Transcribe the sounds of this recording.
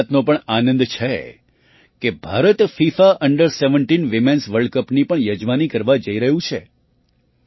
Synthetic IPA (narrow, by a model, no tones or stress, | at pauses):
t̪nõpəɳanə̃nd̪t͡ʃʰe | kebʱaɾət̪fifaʔəɳɖəɾseʋəɳʈinʋimensʋəɾɭɖkəpnipəɳjəd͡ʒʋanikəɾʋad͡ʒəiɾəɦũt͡ʃʰe